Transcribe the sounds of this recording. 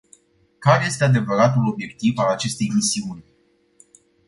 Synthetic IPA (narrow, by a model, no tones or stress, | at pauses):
kaɾeje̞st̪e̞ad̪e̞vəɾat̪ulo̞bje̞k̚t̪ivalat͡ʃe̞st̪e̞jmisiunʲ